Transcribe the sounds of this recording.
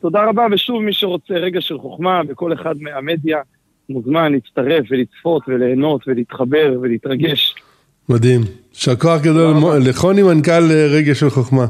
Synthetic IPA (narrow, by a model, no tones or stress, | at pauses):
t̪o̞d̪aʁabaveʃuvmiʃeʁo̞t͡seʁe̞ɡaʃelχoχmaveko̞le̞χad̪meame̞d̪ja | muzmanliit͡st̪aʁe̞fve̞lit͡sfo̞t̪veleːno̞t̪veliit̪χabe̞ʁveliit̪ʁaɡe̞ʃ | mad̪im | ʃeako̞aχɡad̪o̞lmoleχo̞nimankaleʁeɡaʃelχoχma